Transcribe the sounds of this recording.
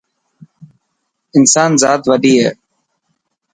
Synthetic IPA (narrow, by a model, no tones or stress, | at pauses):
ɪnsaːnzaːt̪ʋəɖiːɦeː